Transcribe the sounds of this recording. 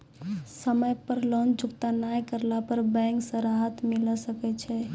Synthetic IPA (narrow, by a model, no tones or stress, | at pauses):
səməjpəɾlɔnd͡ʒukt̪anajkəɾlapəɾbɛ̃ŋksə̃ɾaɦət̪miləsəkɛt͡ʃʰɛ